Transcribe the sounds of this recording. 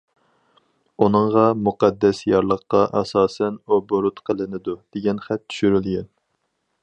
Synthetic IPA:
unɨŋʁɑmuqɑd̪ːɛsjɑɾlˠəqːɑʔɛsɑːsɛnoboɾut̪qʰəlˠɨnɪd̪ud̪̥eɡʲɛnχɛt̪ːʰy̥ʃyɾylɡʲɛn

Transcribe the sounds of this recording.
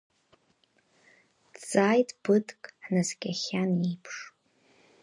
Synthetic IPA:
t͡saːjtʼb̥ɨtʰʼkʼħnazkʲʼaχʲanipʰʂ

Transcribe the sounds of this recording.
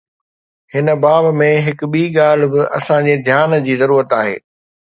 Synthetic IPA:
hɪnə̆baːbmẽɦɪkʊɓiːɠaːl̤̆bɪʔɐ̰sãd͡ʑeːd̪ʱjaːnd͡ʑiːzɐɾuːɾət̪aːɦḛː

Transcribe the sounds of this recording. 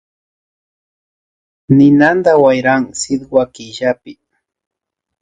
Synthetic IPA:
nɪnand̪awajɾaŋsɪd̪wakɪʒapɪ

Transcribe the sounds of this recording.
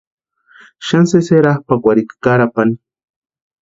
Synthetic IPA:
ʃanseseɾahpakʷaɾikḁkaɾapani

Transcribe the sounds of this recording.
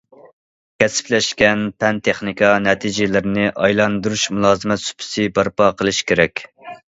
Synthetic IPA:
kʲʰɛsɪ̥plɛʃkʲɛnpʰɛnt̪ʰeχnikɑnɛt̪ʰid͡ʒɪlɪɾɪnɪʔɑjlˠɑnd̪uɾuʃmulˠɑːzɨmɛt̪sy̥pʰɪ̥sɪbɑɾpɑqʰəlˠɨʃkʲʰeɾɛkʲ

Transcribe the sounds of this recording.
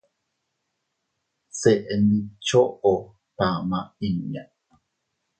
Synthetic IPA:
seʔenit͡ʃoʔo | t̪amãiɲa

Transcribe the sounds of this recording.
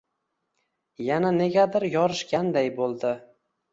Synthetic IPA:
janane̞ɡʲad̪ɪɾjɒɾɪʃkʲand̪ajbolˠd̪ɪ

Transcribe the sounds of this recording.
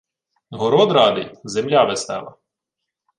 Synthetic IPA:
ɦɔɾɔd̪ɾɑd̪ɪ̰zemlʲaʋest̪ɛ̰ʋɐ̰

